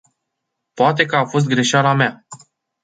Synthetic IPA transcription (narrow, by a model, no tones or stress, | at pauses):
poat̪̬e̞kəafo̞s̬t̪̚ɡɾeʃalamea